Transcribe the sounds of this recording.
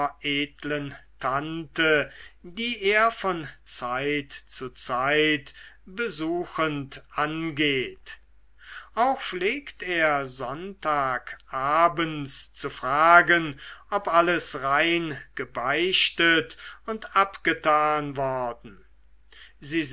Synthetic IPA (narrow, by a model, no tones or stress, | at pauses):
ʔeːtləntʰantədiːʔeːɐfɔnt͡saɪtt͡sut͡saɪtb̥əzuːxəntʔanɡeːt | ʔaʊxfleːkteːɐzɔntaːkʰʔaːbənst͡sufʁ̥aːɡənʔɔpʔaləsʁaɪnɡ̥əbaɪʃtətʊntapɡ̥ətaːnvɔɐdn̩ | ziːz